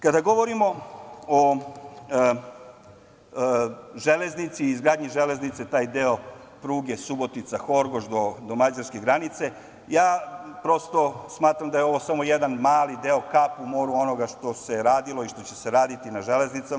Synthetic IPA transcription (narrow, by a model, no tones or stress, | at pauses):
kad̪aɡo̞ʋo̞ɾimo̞o | ʒele̞znit̪siːzɡɾaːd̪ɲiʒele̞znit̪set̪aːjd̪eo̞ | pɾuːɡesubo̞t̪it̪saxo̞ɾɡoʒd̪o̞d̪omad͡ʑaɾskeɡɾanit̪se̞ | jaːpɾo̞st̪o̞smaːt̪ɾamd̪aje̞o̞ʋo̞samo̞jed̪anmaːlid̪eo̞kapumo̞ːɾuo̞no̞ɡaʃt̪o̞se̞ɾaːd̪ilo̞iʃt̪o̞t͡ɕeseɾaːd̪it̪inaʒele̞znit̪sa